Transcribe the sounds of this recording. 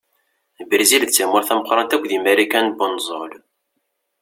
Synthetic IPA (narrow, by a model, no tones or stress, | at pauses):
bəɾzilt͡sːæmʊɾθæməqɾˤɑnt̪ækʷːðimæɾikænbənzˤol